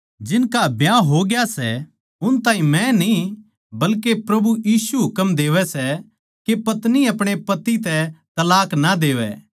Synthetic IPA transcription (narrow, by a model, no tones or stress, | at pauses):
d͡ʒɪnkabjãɦoɡjasɛ | ʊnt̪ãːĩmɛ̃ni | bɐlkepɾɐbujiːsuɦʊkəmd̪eːʋɛsɛ | kepɐt̪niɐpɽ̃epɐt̪it̪ɛt̪ɐlaːknad̪eːʋɛ̰ː